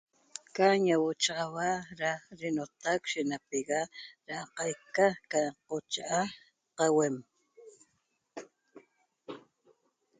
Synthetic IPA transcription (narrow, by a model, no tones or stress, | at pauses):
kaɲawot͡ʃɑʁɑwaɾaɾɪnot̪akʃɪnapeɣaɾaqɑjkakaqot͡ʃaʔa | qɑwem